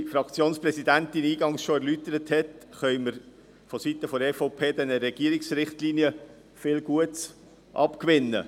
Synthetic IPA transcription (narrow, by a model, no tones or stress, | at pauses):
fɾɑkt͡sjoːnspɾɛsidænt̪iniːɡɑŋsʃoæɾlytəɾəthɛtχœʏməɾ | fɔsit̪əfɔɛfoʊpʰeːd̪ɛnəɾɛɡ̥iəɾɪksɾɪχtliːnjə | fɪlɡuəts | ʔɑ̰pkʋɪnːə̰